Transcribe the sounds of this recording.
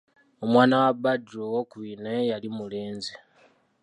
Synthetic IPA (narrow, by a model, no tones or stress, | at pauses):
o̞mwaːnawabadɾowokuinajalimuleːnzi